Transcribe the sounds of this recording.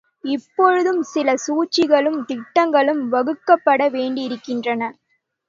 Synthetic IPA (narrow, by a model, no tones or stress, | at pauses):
ɪpːɔɻɯðɯmsɪlɐsuːt͡ʃːɪɣɐɭɯmt̪ɪʈːɐŋɡɐɭɯmʋɐɣɯkːɐpːɐɽɐʋeːɳɖɪɪɾɯkːɪndrɐnɐ